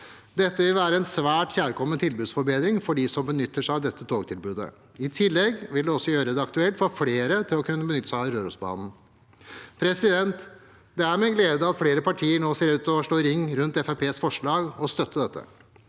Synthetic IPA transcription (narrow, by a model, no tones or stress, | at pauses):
d̪ɛt̪ːəʋɪlʋæːɾəɛnsʋæːʈçæːɾkʰɔmːənt̪ʰɪlbʉːd̪sfɔɾbeːd̪ɾɪŋfɔɖiːsɔmbənʏt̪ːəʂæʋd̪ɛt̪ːət̪ʰoːɡt̪ʰɪlbʉːd̪ə̰ | ɪt̪ʰɪlːɛɡʋɪld̪ɛɔsːɔjøːɾəd̪ɛɑkt̪ʉɛlt̪fɔɾfleːɾət̪ʰɪlɔkʰʉnːəbənʏt̪ːə̥sæɾøːɾʉsbɑ̰ːnn̩ | pʰɾɛsɪd̪ɛnt̪ | d̪ɛæɾmɛɡleːd̪əɑt̪fleːɾəpɑʈʰiːəɳoːseːɾʉːt̪ɔʂɭoːɾɪŋːɾʉnt̪ɛfæpʰeːsfɔʂɭɑːɡɔst̪œt̪ʰːəd̪ɛt̪ʰːə̰